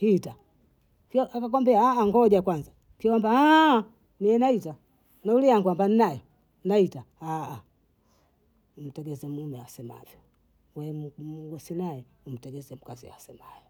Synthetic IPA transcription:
hita | kɔʔakak̬ɔmbɛaːŋɡɔʄakwanza | kiwambaa | miɛnaita | nauliaŋɡwambaninajɔ | naitaaː | um̩tɛɡɛzɛmumɛasɛma̰vjɔ | wɛmmuɡɔsinaɛum̩tɛɡɛzɛm̩kazḭa̰sɛmajɔ

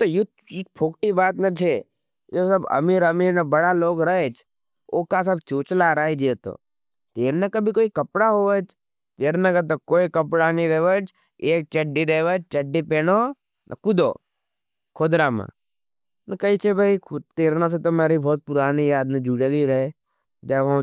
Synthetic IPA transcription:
t̪ojʊt̪ | ik̚pʰoːkʈibaːt̪nət͡ʃʰeː | d͡ʒesəbɐ̰miːɾəmiːɾnəbɐɽaloːɡɾɐɦeːt͡ʃʰ | oːkas̬əbt͡ʃoːt͡ʃlaɾaed͡ʒet̪o̰ː | t̪eːɾnakɐbʱikoːikɐpɽaɦoːʋet͡ʃ | t̪eːɾnɐkət̪okoːikəpɽanĩɾəɦʋət͡ʃ | eːk̚t͡ʃəɖːiɾəʋət͡ʃt͡ʃəɖːipeːnoː | nʔɐ̰kʊd̪o̰ː | kʰoːd̪ɾamã̰ | nɐkəit͡ʃʰebʱaikt̪eːɾnas̬et̪omeːɾibʱɔːt̪̚pʊɾaːnijaːd̪mẽd͡ʒuːɽeɡiɾɐe | d͡ʒaːʋ̃

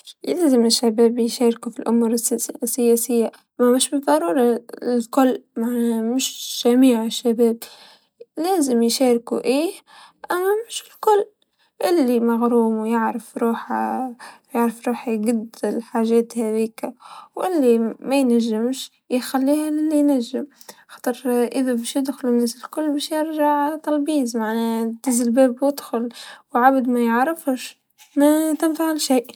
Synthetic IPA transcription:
jeːzɪmɪʃːabæːbjʃɑːɾkufilʔʊmuːɾssːɪjɛːsɪjːa | mamɪʃbɨðˤɑɾˤuːɾˤɑɪlkʊlːmaʕnmɪʃʒ̥amiːʕɪʃːabeːb̚ | leːzɪmjʃeːɾkṵʔiːh | ʔamːamɪʃɪlkʊlː | ʔɪlːimaɣɾuːmwjɪʕɾɪfɾuːħa | jaʕɾɪfɾˤuːħaɡad̪ɪlħaʒɛːt̪hæðiːkawʔɪlːimajnaʒːɪmʃ | jxalːiːhalɪlːijnaʒːɪmxɑ̥ːt̪ˤɨɾʔɪðabæʃjɪd̪xʊlnːæːsɪlkʊlːbæʃjɪɾʒaʕt̪ˤɑlbiːzmaʕnet̪ɪzɪlbeːbjɪd̪xʊlwʕabd̪majɪʕɾɪfʊʃ | nat̪ɪnfaʕɪlʃiːʔ

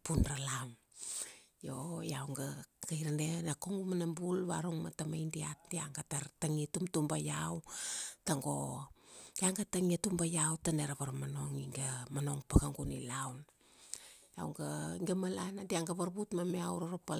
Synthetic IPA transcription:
punɾalam | jojawŋɡaɡajɾanenakoŋɡumanambulβa̰ɾuŋmatamajndiat̚diaŋɡataɾtaŋitumtumbajawtaŋɡo̞ | jaŋɡataŋiatumbajawtaneɾaβaɾmano̞ŋiŋɡamano̞ŋpaɡaŋɡunḭlawn | ja̰wŋɡaŋɡamalanadiaŋɡaβaɾbutmamiawɾoɾapa

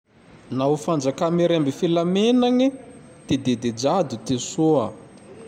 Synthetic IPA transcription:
naufand͡ʒakameɾambifilamenanit̪ed̪ed̪ed͡ʒad̪ut̪esuə

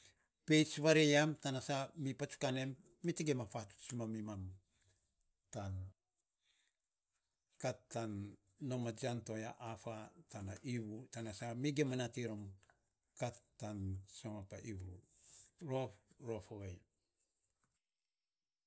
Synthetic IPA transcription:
pe̞jt͡ʃβaɾejamtanasamipat͡ʃu̥kane̞mː | itiɡemafatu̥t͡ʃimamimam | tan | katːanː | omad͡ʒanto̞jaʔafatanaʔiβutanasamiɡemanatiɾom | katː | ansoŋapaʔiwɾu | ɾoɾofoɡej

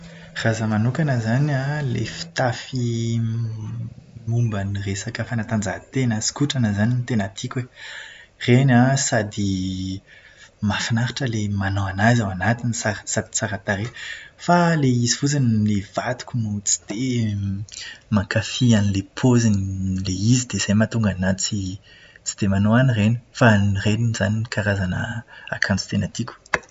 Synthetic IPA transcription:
razəmanukanəzanalefi̥t̪afi | mumbaniresakəfanat̪and͡zat̪enasi̥kuʈ͡ʂanəzaninit̪enat̪ʰikʲe | renasad̪i | mafinaɾiʈ͡ʂəlemanoanazawanat̪inisasad̪isaɾat̪aɾefaleizifut͡sanilev̥at̪u̥kʲunut͡si̥d̪̥e | makafianilepʰozinileizid̪ez̥ajmat̪uŋɡanat͡si | t͡si̥d̪̥emanoanireni̥fannireniz̥aninikaɾazanəakʰant͡si̥t̪enat̪ikʲu̥

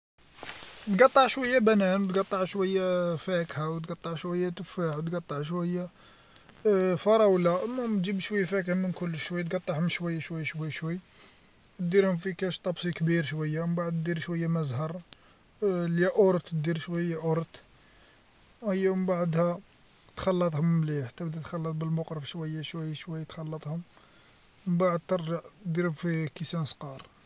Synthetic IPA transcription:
t̪ɡɑt̪ˤːɑʕʃwæjːæbænænwt̪ɡɑt̪ˤːɑʕʃwæjːæfækhawt̪ɡɑt̪ˤːɑʕʃwæjːæt̪əfaħwt̪ɡɑt̪ˤːɑʕʃwæjːæ | fɑɾˤɑwlæmæmd͡ʒibʃwæjːæfækhmənkʊlːʃwæjːt̪ɡɑt̪ˤːɑhʊmʃwæjːæʃwæjːʃwæjːʃwæjː | t̪d̪iɾhʊmfikæʃt̪ˤɑbsˤikbiɾʃwæjːawmbaʕəd̪d̪iɾʃwæjːæmæzhɑɾˤ | ljæʔʊɾt̪d̪iɾʃwæjːæʔʊɾt̪ | həjːæməmbaʕəd̪hæ | t̪xɑlːɑt̪ˤhʊmːliħt̪æbd̪it̪xɑlːɑt̪ˤbəlmʊqɾəfʃwæjːæʃwæjːæʃwæjːæt̪xɑlːɑt̪ˤhʊm | mmbaʕəd̪̚t̪əɾʒəʕd̪iɾhʊmfikisænsqɑɾˤ

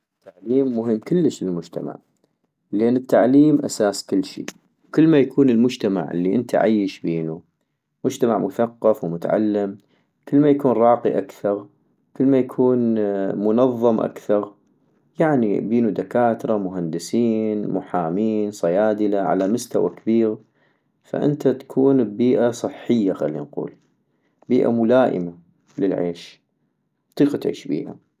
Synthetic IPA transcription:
t̪ːaʕliːmːʊɦəmːkʊlːəʃɪlmʊd͡ʒt̪a̰ma̰ʕ | leːnːɪt̪ːaʕliːmʔasaːskɪlːʃḭː | wkɪlːmajakʰuːnɪlmʊd͡ʒt̪ama̰ʕʔɪ̰lːiʔɪnt̪ʰa̰ʕa̰jːɪʃbiːnu | mʊd͡ʒt̪amaʕmʊθaqːɑfwmʊt̪aʕa̰lːɪm | kɪlːmajakuːnɾˤɑːqḭʔakθɑɾ | kɪlːmajakʰuːnmʊnɑðˤːɨmʔa̰kθɑɾˤ | jaʕnḭbiːnud̪akaːt̪ɾˤɑmʊɦand̪ɪsiːnmʊħaːmiːnsˤɑjaːd̪əlaʕa̰lamʊst̪awa̰kabiːɣ | fa̰ʔɪ̰nt̪at̪ḁkʰuːnbbiːʔasˤɨħːəjːaxa̰lːḭnqṵːl | biːʔa̰mʊlaːʔɪ̰ma | lɪlʕḛːʃ | t̪ˤiːqat̪ʕḭːʃbḭːʔa̰

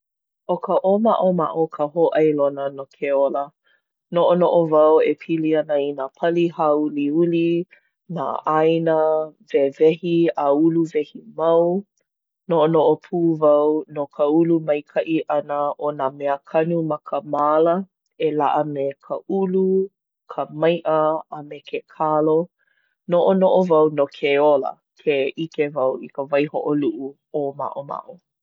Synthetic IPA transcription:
ʔokʰəʔomaʔoma̰ʔokʰəɦoʔajlonənokʰeolə | noʔonoʔovɐwepʰiliɐnəinapʰɐlihauliuli | na̰ʔajnəvevɛhiauluvɛhimaw | noʔonoʔopʰuːvɐwnokʰəulumɐjkʰɐʔiʔɐnəʔonameəkʰɐnumɐkʰəmalə | ela̰ʔəmekʰəulu | kʰəmɐjʔəamekʰekʰalo | noʔonoʔovɐwnokʰeolə̰ | kʰeikevɐwikəvɐjhoʔoluʔu | oma̰ʔoma̰ʔo

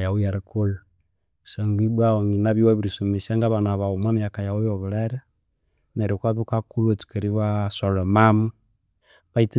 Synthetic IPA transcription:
jaujaɾikul | saŋɡibwawoŋinaβiwaβiɾisomesiaŋɡaβanaβaumanijakajaujoβiɾeɾɛ | neɾikaβikakulatu̥keɾiβasoɾɔmamu | βaiti

